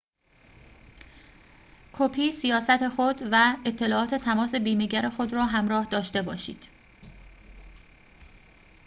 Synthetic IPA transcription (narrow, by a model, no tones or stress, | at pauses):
kʰopʰiːsijɒːsæt̪ʰe̞xod̪væe̞t̪ʰːe̞lɒːʔɒːt̪ʰe̞t̪ʰæmɒːse̞biːmeɟæɾexo̞d̪ɾɒːɦæmɾɒːhd̪ɒːʃt̪e̞bɒːʃḭːd̪̥